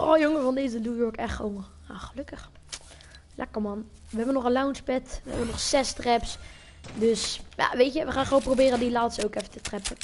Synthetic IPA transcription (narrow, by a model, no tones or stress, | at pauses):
ɔljoŋəvɑndejzənuːjɔɹkɛχtχəʋo̰n | aχəlɵkəχ | lʔɛ̰kəɹmɑn | ʋəɦɛbənɔχəlawnspɛtʋə̰ɦɛ̰bənɔχsɛstrɛps | døsja̰ʋejtjəʋəχaːnχəʋownmprowbɪːrəndilaːtstəowkɛfətətrɛpə